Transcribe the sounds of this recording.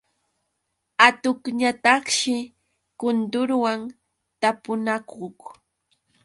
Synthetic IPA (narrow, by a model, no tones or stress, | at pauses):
at̪ʊkɲat̪ɑχʃɪ | kʊnt̪ʊɾwaŋ | t̪apʊnakoχ